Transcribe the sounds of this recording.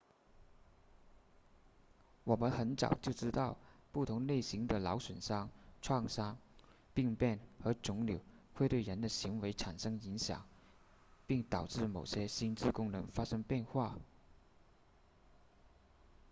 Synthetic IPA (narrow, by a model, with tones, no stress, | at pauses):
wɔ˨˩mə˦nxə˧˥nt͡sɑ̰˨˩ʊt͡ɕjo˥˩ʊʈ͡ʂɻ̩˥t̪ɑ˥˧ʊpu˥˩t̪ʰʊ˧˥ŋne˥˩ɪɕi˧˥ŋd̪ə˨lɑ˧˥ʊʂwə˨˩nʂɑ˥ŋʈ͡ʂʰwɑ˥˩ŋʂɑ˥ŋ | pi˥˧ŋpjɛ˥˩nxɤ˧˥ʈ͡ʂʊ˧˥ŋli˨˩ʊ | xwe˥˧ɪt̪we˥˩ɪɻə˧˥nd̪ə˧ɕi˧˥ŋwe˧˥ɪʈ͡ʂʰa˨˩nʂɤ˥ŋi˧˥ŋɕjɑ̰˨˩˦ŋ | pi˥˩ŋt̪ɑ˨˩ʊʈ͡ʂɻ̩˥˩mo˨˩ʊɕjɛ˥ɕi˥nt͡sɻ̩˥˩kʊ˥ŋnɤ˧˥ŋfa˥ʂɤ˥ŋpjɛ˥˧nxwa˥˩